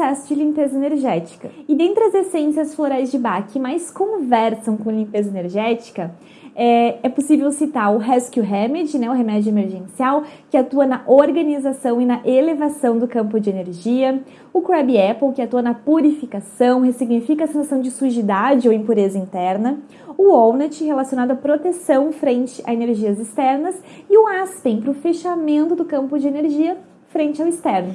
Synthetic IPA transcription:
sɛsʊd͡ʒɪlĩmpezɐeneɾʒɛt͡ʃi̥kɐɪd̪ẽnt̪ɾɪɐzesẽsiɐsfloɾajzd͡ʒɪbakɪmajskõvɛɾsɐ̃w̃kõalĩmpezɐeneɾʒɛt͡ʃi̥kɐ | ɛɛposivewsit̪aɾʊɦɛskjuɦemɛd͡ʒɪnɛʊɦemɛd͡ʒʊemeɾʒẽsiawkɪat̪uɐnɐʔoɾɡɐnizasɐ̃w̃ɪnɐʔelevasɐ̃w̃d̪ʊkɐ̃mpʊd͡ʒɪeneɾʒiɐ | ʊkɾɛbɪɛpowkɪat̪uɐnɐpuɾifikasɐ̃w̃hesiɡnifikɐsĩsɐ̃w̃d͡ʒɪsuʒid̪ad͡ʒɪowĩpuɾezɐĩnt̪ɛɾnɐ | ʊownɛt͡ʃɪhelasijonad̪ʊapɾot̪esɐ̃w̃fɾẽnt͡ʃɪʔa̰eneɾʒiɐzɪst̪ɛɾnɐs | ɪʊaspẽj̃pɾʊfeʃamẽnt̪ʊd̪ʊkɐ̃mpʊd͡ʒɪeneɾʒiɐ | fɾẽnt͡ʃɪawɪst̪ɛɾnʊ

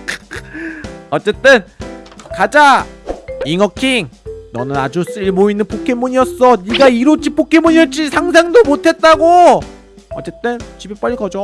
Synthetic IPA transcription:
ʌt͡ɕ͈e̞t͈ɯnkad͡ʑa | iŋʌkʰiŋnʌnɯnad͡ʑus͈ɯɭmoinːɯnp͈okʰemuɲijʌs͈ʌniɡaiɾot͡ɕ͈ʰip͈okʰemuɲiʌt͡ɕ͈isʰaŋs̬ʰaŋdomotʰe̞t̚t͈aɡo | ʌt͡ɕ͈e̞t͈ɯnt͡ɕibep͈ʌɭːiɡʌd͡ʑo

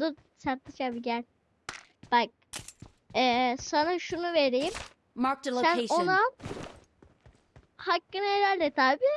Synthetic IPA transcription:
d̪u | saɾt̪ːɯt͡ʃabiɟælʲ | b̥ak̚ | ɛsanaʃunuve̞ɾejim | matilsæneona | hakːɯneɾælʲd̪ɛt̪ʰaːbiː

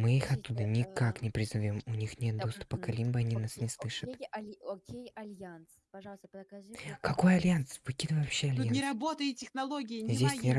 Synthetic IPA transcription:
mɨixɐt̪ːud̪ənʲɪkaknʲɪpɾʲɪzɐvʲo̞mʊnʲixnʲe̞t̪̚d̪o̞st̪ʊ̥pəkɐlʲimbəɐnʲinasnʲɪslˠɨʂɨt̪ | kɐko̞jɐlʲjant̪sv̥ɨkʲid̪ɨvəjvɐpɕːeɐlʲjanʲɪɾɐbot̪əjɪtʲɪxnɐlˠoɡʲɪjɪzʲdʲesʲnʲɪɾ

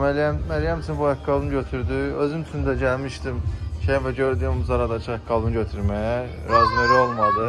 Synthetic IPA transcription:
mæljæmmæɾjæmt͡ʃ̪ʰynbujakɡɑlˠbɯnɟøt̪ʰyɾd̪yøzymt͡ʃ̪ʰynd̪æɟælʲmiʃt̪imʃejinvæɟøɾd̪yːmzɑɾɑd̪ɑt͡ʃʰɯɑk̚ɡɑlˠbɯnɟøt̪ʰyɾmæjæ | ɾæzmeɾio̞lˠmɑd̪ɯ

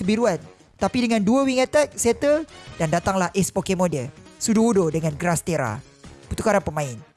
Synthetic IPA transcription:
kəbiɾuan | t̪apidəŋãnduəwiŋat̪at̪̚set̪ədandat̪aŋlahʔɛspokemõdəlsuduudodəŋãnɡɾast̪eɾa̰ | pət̪ukaɾanpəmãɪn

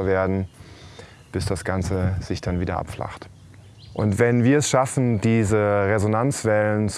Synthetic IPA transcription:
ɐveːɐdn̩ | b̥ɪsd̥asɡ̥ant͡səz̥ɪçd̥anviːdɐ̰ʔa̰pfla̰χt | ʔʊntv̥ɛnviːɐɛsʃafn̩diːzəʁezonant͡sv̥ɛlənt͡s

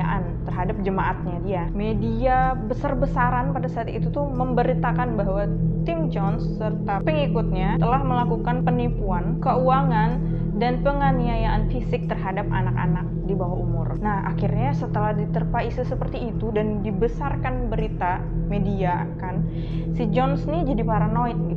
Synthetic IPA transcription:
aʔant̪ərɦadap̚d͡ʒəmaʔat̪̚ɲadiamediabəsarbəsaɾanpadasaːt̪ḭt̪ut̪uməmbəɾit̪akanbaɦwat̪ɪmd͡ʒɔnsːərt̪apəŋikut̪̚ɲat̪əlahməlakukanpənimpuankəuaŋan | danpəŋaniajaʔanfisɪk̚t̪ərɦadap̚a̰naka̰nak̚dibawaumʊ̰rnahʔa̰kirɲasət̪əlahdit̪ərpaisɪsəpərt̪iːt̪udandibəsarkanbəɾit̪a | media | kan | sid͡ʒɔnsnid͡ʒadipaɾanoit̪̚ɡi

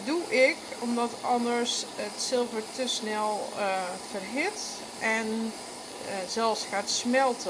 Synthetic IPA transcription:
duʔɪkɔmdɔtɔndəɹsətsɪlˠvəɹtʰəsnɛlˠfərɦɪt | ʔɛn | zɛlˠfsxaːtsmɛlˠtə

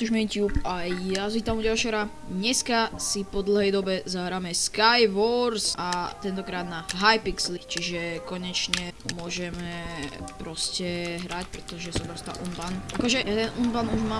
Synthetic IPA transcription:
t̪uʒmɛt̪juːpajjazit̪amuɟalʃɛɦɾa | ɲɛskasipɔd̪l̩ˠɦɛjd̪ɔbɛzaɦɾaːmɛskajʋɔɾsat̪ɛnt̪ɔkɾaːd̪naɦajpikslit͡ʃiʒɛkɔɲɛt͡ʃɲɛmʊɔʒɛmɛpɾɔscɛɦɾacpɾɛt̪ɔʒɛsad̪ɾɔst̪a̰ʔunbanʔakɔʒɛat̪ɛnunbanuʒmaː

